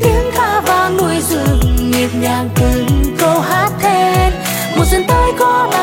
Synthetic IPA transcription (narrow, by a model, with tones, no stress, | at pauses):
t̪i˨˦ənt̪ʰaː˧vaː˧˩nu˧˩əjzɨ̰˧˩əŋŋi˨˩t̚ɲaː˨˩ŋt̪ɨ˨˩˦kə˧whaː˦˥t̚t̪ʰe˧ | mɔ˨˩zə˨˧˦nt̪əː˧jkɔ˨˧˦la˧